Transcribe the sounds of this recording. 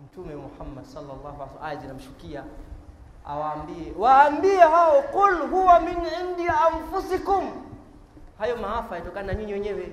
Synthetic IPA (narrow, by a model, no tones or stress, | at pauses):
m̩tumɛwmuħamːadsɑlːɑlːɑhuasazinam̩ʃu̥kia | a̰waːmbiɛwaːmbiɛhawɔqulɦuwaminʕindiaɱfusikum | hajɔmaafaajatɔkananaɲiɲiwɛɲɛwɛ